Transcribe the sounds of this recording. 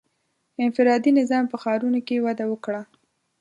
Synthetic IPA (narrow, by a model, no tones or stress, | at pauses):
ɪnfɪɾɑd̪inɪzɑmpəxɑɾunokewad̪awəkɽa